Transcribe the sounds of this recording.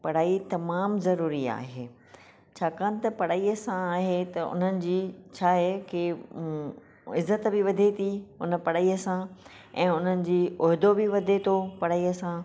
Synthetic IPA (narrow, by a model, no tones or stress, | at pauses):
pɐɽaːit̪ɐmaːmzɐɾuːɾia̰ːɦeː | t͡ɕʰaːkãːnɪ̆t̪ɐpɐɽ̤aːiəsãaːɦet̪ɐʊ̰n̤ənɪ̆d͡ʑiːt͡ɕʰaːɦeke | ɪzːət̪bɪʋɐd̪ʱet̪ʰiʊ̰nə̆pɐɽaːiəsã | ɛ̰̃ːʊn̤ənɪ̆d͡ʑiːoːɦɪd̪obɪʋɐd̪ʱet̪ʰopɐɽ̤aːiəsã